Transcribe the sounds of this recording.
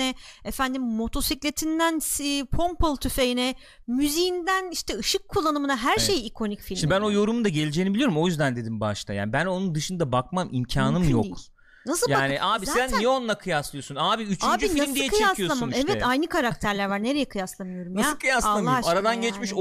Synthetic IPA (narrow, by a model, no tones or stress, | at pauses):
ɛefænd̪imːo̞t̪ʰo̞siclʲe̞t̪ʰind̪ænspʰo̞mpʰolˠt̪ʰyfejinɛ | myzijind̪æniʃt̪ʰɛɯʃɯkʰːulˠːanɯmɯnaɦæɾʃe̞jikʰo̞nicfilʲʃinbæno̞jo̞ɾumund̪aɟe̞lʲed͡ʒeːnibiijo̞ɾumo̞jyzd̪ænd̪e̞d̪imbaʃt̪ʰa̰ja̰ːnibæno̞nund̪ɯʃɯnd̪abak̚mamʔimcʰaːnɯmjok | nasɯjaːniʔaːbisænnːijɛonlˠakʰɯjaslˠɯjo̞sunaːbiyt͡ʃʰyaːbd͡ʒiiimd̪ijɛkɯjeasijloamamɛvɛajnɯkʰaɾakkt̪ʰæɾlʲæɾvaɾne̞ɾe̞jɛkʰɯjaslˠamɯjo̞ɾumnaaskʰɯjaslˠamːˠaaɾad̪anɟɛt͡ʃmiʃ